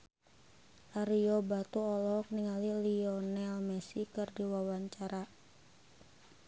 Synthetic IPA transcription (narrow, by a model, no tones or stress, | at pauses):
ʔaɾiɔbat̪uɔlɔk̚niŋaliliɔnɛlmɛsikɨrdiwawaɲt͡ʃaɾa